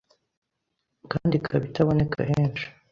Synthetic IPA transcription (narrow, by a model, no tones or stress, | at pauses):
kaːndikʰaβitʰaβo̞ne̞kʰa̰heːnt͡ʃi̥